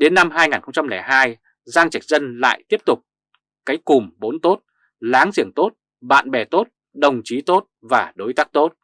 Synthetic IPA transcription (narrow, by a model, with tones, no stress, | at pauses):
ɗe˨˦nːa˧mɦaː˧jŋaː˨˩nxə˧ŋ͡mt͡ɕa˧mlɛ˧˩jɦaː˧j | zaː˧ŋt͡ɕa˨˩k̚zə˧nla̰ː˧˨jt̪i˦˥əp̚t̪ʊ˨˩k͡p̚ | kːaː˨˦jkʊ˨˩mɓo˨˦nt̪o˦˥t̚ | laː˨˦ŋzḭ˧˩əŋt̪o˦˥t̚ | ɓa̰ː˧˨nɓɛ˨˩t̪o˦˥t̚ | ɗə˨˩wŋ͡mt͡ɕi˨˦t̪o˦˥t̚vaː˨˩ɗo˨˦jt̪aː˦˥k̚t̪o˦˥t̚